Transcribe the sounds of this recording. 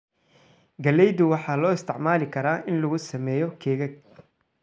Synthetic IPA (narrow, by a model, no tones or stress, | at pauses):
ɡɐlɛjðʊwɑħɑːlɔːɪst̪ʰɪʕmaːlɪkʰɐɾaːʔɪnlɐɣʊsɐmɛːjɔkʰɛːɣɐɡ̚